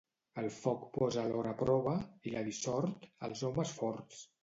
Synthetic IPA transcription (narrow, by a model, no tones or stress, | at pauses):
əlˠfɔkpɔzəlɔɾəpɾɔβəiləðisɔɾt̪ə̰lˠzɔməsfɔɾt̪t͡s